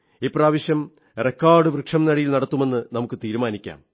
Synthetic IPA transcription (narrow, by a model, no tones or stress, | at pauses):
ipːraːʋɐɕjɐm | rekːaːɖɨʋrɨkʂɐmnɐɽijilnɐɽɐt̪ːume̞nːɨnɐmukːɨt̪iːɾumaːnikʲːa̰ːm